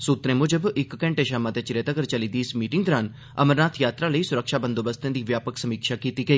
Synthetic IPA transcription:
suːt̪ɾẽːmʊd͡ʒəbɪkːɛ̃ːɳʈeːʃaːmãːt̪eːt͡ʃɪɾeːt̪əɡəɾt͡ʃəliːd̪iːɪsmiːʈɪŋɡ̚d̪ɔɾãːn | ə̰məɾnaːt̪ʰjaːt̪ɾaːləiːsʊɾəkʃaːbənd̪oːbəst̪ẽːd̪iːʋjaːpəksəmiːkʃaːkiːt̪iːɡəiː

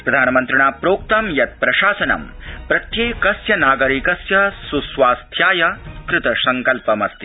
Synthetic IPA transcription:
pɾɐd̪ʱaːnɐmɐnt̪ɾɐɳaːpɾoːk̚t̪ɐmjɐt̪̚pɾɐʃaːsɐnɐ̰mpɾɐt̪jeːkɐsjɐnaːɡɐɾikɐsjɐsusʋaːst̪ʰjaːjɐkɾɪt̪ɐsɐŋkɐlpɐmɐst̪i

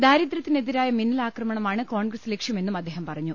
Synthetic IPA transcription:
d̪aːɾid̪rɐt̪ːine̞d̪iɾaːjɐminːilaːkrɐmɐɳɐmaːɳɨkoːɳɡrɐslekʂjɐme̞nːumɐd̪ːe̞ːɦɐmpɐrɐɲːu

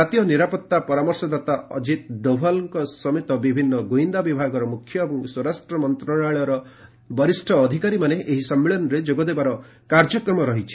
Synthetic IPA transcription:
at̪ijɔniɾapɔt̪ːapɔɾamɔɾsɔd̪at̪aɔd͡ʒit̪̚d̪obʱalɔŋkɔsɔmit̪ɔbibʱinːɔɡoind̪abibʱaɡɔɾɔmukʰjɔebɔŋswɔɾasʈɾɔmɔnt̪ɾɔɽ̃aɭɔɾɔ | bɔɾisʈʰɔːd̪ʱikaɾimaneʔeɦisɔmːeɭɔnɔɾed͡ʒoɡɔd̪ebaɾɔ | kaɾd͡ʒɔkɾɔmɔɾɔɦit͡ʃʰi̥

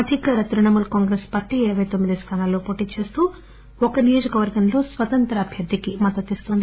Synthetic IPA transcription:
ɐd̪ʱikɐɾɐt̪ɾuɳɐmulkaːŋɡɾeːspaːɾʈiiɾɐʋɐjt̪omːid̪ist̪ʰaːnaːlːo̞ːpo̞ːʈiːt͡ʃe̞ːst̪uː | ɔkɐnijoːd͡ʒɐkɐʋɐɾɡɐmlo̞ːsʋɐt̪ɐnt̪ɾɐːbʱjɐɾd̪ʱːikimɐd̪ɐt̪ist̪und̪i

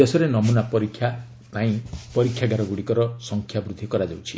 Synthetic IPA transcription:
esɔɾenɔmunapɔɾikʰːja | pãĩpɔɾikʰjaɡaɾɔɡuɽikɔɾɔsɔŋkʰjabɾud̪ʱikɔɾad͡ʒawt͡ʃʰi

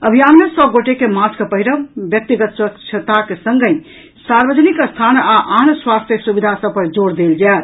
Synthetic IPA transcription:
əbʱijammesɔɡoʈekemat͡ʃkepəɦiɾəbjək̚t̪iɡət̪swəkt͡ʃʰət̪akesəŋɡə̃j | saɾbəd͡ʒnikəst̪ʰanaʔanswast̪ʰjəsubid̪ʱasəbpəɾd͡ʒoɾd̪eld͡ʒat̪

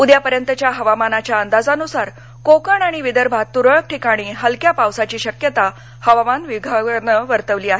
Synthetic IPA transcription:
ud̪japəɾjənt̪ət͡ɕjaɦəʋamanat͡ɕjaənd̪ad͡zanusaɾ | kokəɳaɽ̃iʋid̪əɾbʱat̪ːuɾəɭək̚ʈʰikaɽ̃iːɦəlkjapaʋsat͡ɕiːɕəkjət̪a | həʋamanʋiɡʱəɳəʋəɾt̪əʋliːaɦe

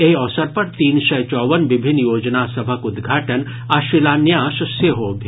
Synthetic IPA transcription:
eɦɔʋsɐɾpɐɾt̪iːnʃɐjt͡ʃɔːʋɐnʋɪbʱinːjoːd͡ʒnaːsɐbʱɐkʊd̪ɡʱaːʈɐn | aʃʋilaːnjãːʃseɦoːbʱi

